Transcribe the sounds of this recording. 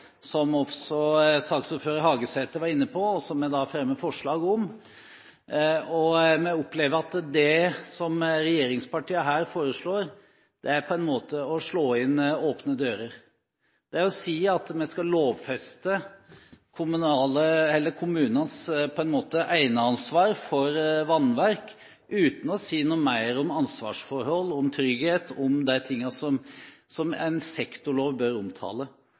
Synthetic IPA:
sɔmɔfsɔsɑːksuːpføːɾəɾhɑːɡəsɛt̪ːəʋɑɾɪnːəpʰɔɔsɔmːɛd̪ɑfɾɛmːəfɔʂɭɑːɡɔm | ɔmɛʊpːleːʋəɾɑt̪d̪ɛsɔmɾɛjeːɾɪŋspɑʈiːəɦæːɾfoːɾəʂɭoːɾ | d̪̥ɛæɾpʰɔɛnmoːt̪əɔʂɭoːɪnoːpnəd̪øːɾəɾ | d̪̥ɛæɾɔsiːɑt̪mɛskɑloːʋfɛst̪ə | kʰʊmʉnɑːləɛlːəɾkʰʊmʉːnənspʰɔɛnmoːt̪əʔæɪnəɑnsʋɑːɾfɔɾʋɑnʋæɾk | ʔʉːt̪n̩ɔsiːnuːmæɪɾɔmɑnsʋɑ̰ːʂfɔɾhɔlːɔmt̪ʰɾʏɡheːt̪ʰɔmd̪æɪt̪ʰɪŋːɑsɔmsɔmæ̰ɪnsɛkt̪ʊɭoːʋbœɾʊmt̪ʰɑ̰ːlə

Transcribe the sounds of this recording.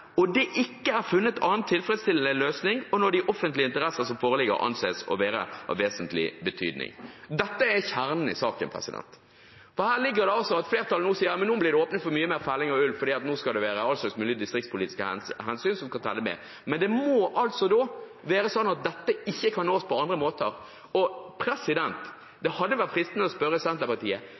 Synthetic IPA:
ɔd̪ɛʔɪkːəæɾfʉnːət̪ʰɑːənt̪ʰːɪlfɾɛd̪st̪ɪləløːsnɪŋɔnɔɾd̪ɪʔɔfːənt̪lɪəɪnt̪əɾɛsːəsɔmfoːʁəlɪɡə̰ɾʔɑ̰nseːsɔ̰ʋeːɾə̰ɑ̰ʋeːsənt̪lɪ̰bət̪ʰy̰ːd̪nɪ̰ŋd̪ɛt̪ːəɛçæʁnən̩ɪ̰sɑːkə̰npʰʁɛ̰sɪ̰d̪ɛ̰nt̪ | fɔhæːʁlɪɡːəɾd̪ɛɑlsɔɑt̪fleːʁt̪ʰɑlnuːsiːəɾmɛnːuːblɪʁd̪ɛoːpnət̪fɔmyːəmeːʁfælɪŋɔʉlfɔɾd̪iːɑt̪nuːskɑld̪ɛʋeːɾəɑlsɑksmʉːlɪd̪ɪst̪ɾɪk̚tspʰʊliːt̪ɪ̥skəɦɛnsyːnsɔmkʰɑnt̪ʰɛ̰lːəmɛ̰ː | mɛnd̪ɛmɔʔɑlt̪sɔd̪oː | ʋeːɾəsɔnːɑt̪̚d̪ɛt̪ːəɪçːəkʰɑnːoːspʰɔɑnd̪ʁəmoːt̪əɾ | ɔpʰɾɛsɪd̪ɛnt̪ | d̪ɛhɑd̪ːəʋæʁt̪fʁɾɪst̪nəɔspœɾəsɛnt̪əpɑt̪ʰiːə

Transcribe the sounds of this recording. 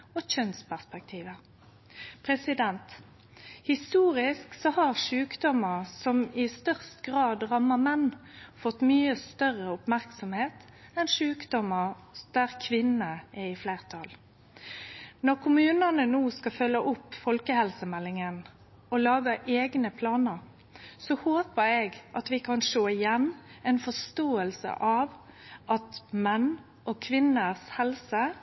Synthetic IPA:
ɔçœnspæʁspɛk̚t̪ʰiːʋə | pʰʁɛsɪd̪ɛnt̪ | hɪst̪uːʁɪsksɔhɑʁʂʉːkd̪ɔməʁsɔmɪst̪œʁst̪ɡʁɑːd̪ʁɑməmɛnːfɔt̪ːmyːəst̪œʁəʊpmæʁksɔmheːt̪ɛnʂʉːkd̪ɔməd̪̥æːʁkʰʋɪnəɛɪfleːʁt̪ʰɑl | nɔʁkʰʊmʉːnənənuːskɑfœlːəʔʊpfɔlkəhɛlsəmɛlːɪŋən | ɔlɑːɡəʔeːɡnəpʰlɑːnəɾ | sɔhoːpəɾɛːɡʔɑt̪ʋɪkʰɑnʂoːɪjɛnːɛɪnfɔʂt̪oːəlsə̰ʔɑʋʔɑt̪mɛn | ʔɔkʰʋɪnəshɛlsə

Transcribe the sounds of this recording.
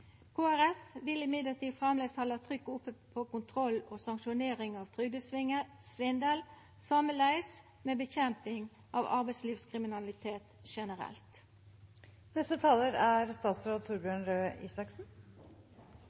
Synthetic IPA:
kʰoːæɾɛfʋɪlɪmɪd̪ləʁt̪ʰiːd̪fʁɑmleːshɑlɑt̪ʰʁʏkːəʊpːəpʰoːkʊnt̪ʰʁɔloːsɑŋkʃʊneːʁɪŋɑːʋt̪ʰʁʏd̪əsʋɪŋːəsʋɪnd̪əl | sɑməlæɪs | meːbəçɛmpɪŋ | ʔɑ̰ːʋɑ̰ʁbæɪsliːʋskʰʁɪmɪnɑlɪt̪ʰeːt̪ʃɛnəʁɛ̰lt̪ | nɛst̪ət̪ʰɑːləɾæɾst̪ɑːt̪sɾoːd̪̚t̪ʰʊɾbjøːɳɾøːḭːsɑksn̩

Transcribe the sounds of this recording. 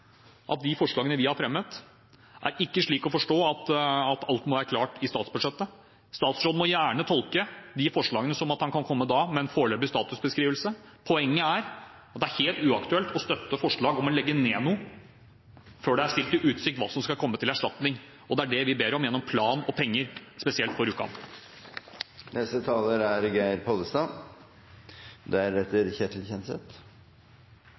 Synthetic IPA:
ʔɑt̪̚d̪ɪfɔʂɭɑːɡənəʋɪhɑɾfɾɛmːət̪ | ʔæ̰ɾɪkːəʂɭiːkɔfɔʂʈoːɑt̪ɑt̪ʰɑlt̪mɔʋæːɾəkʰlɑːʈɪst̪ɑːt̪sbʉd̪ʂɛt̪ːə | st̪ɑːt̪sɾoːd̪mɔjæːɳət̪ʰɔlkəd̪ɪfɔʂɭɑːɡənəsɔmɑt̪hɑnkʰɑnkʰɔmːəd̪ɑːmɛɛnfoːɭøːbəst̪ɑːt̪ʉsbəskɾiːʋəlsə | pʰɔɛŋːəæɾ | ɑt̪d̪æɾheːlt̪ʉːɑkt̪ʉɛlt̪ʰɔst̪œt̪ːəfɔʂɭɑːɡɔmɔlɛɡːəneːnuː | føːɖɛæʂt̪ɪlt̪ɪʔʉːt̪sɪk̚t̪ʋɑːsɔmskɑkʰɔmːət̪ʰɪlæʂʈɑt̪nɪŋ | ɔd̪ɛæɖɛʋɪbeːɾɔmjɛnːɔmpʰlɑːnɔpʰɛŋːəɾspɛsɪɛlt̪fɔɾʉːkɑ̰n | nɛst̪ət̪ʰɑːləɾæɾɡæɪɾpʰɔd̪əst̪ɑ | d̪ɛæɾɛt̪ːəɾçɛt̪ʰl̩çɛnsɛt̪

